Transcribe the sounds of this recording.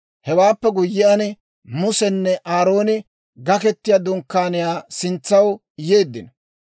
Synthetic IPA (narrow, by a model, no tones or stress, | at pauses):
hɛwaːpːɛɡʊjːɪɐnɪ | mʊsɛnːɛʔaːɾo̞ːnɪ | ɡɐkɛt̪ːɪjad̪ʊŋkːaːnɪjaːsɪnt͡sːɐw | je̞ːd̪ːɪnɐ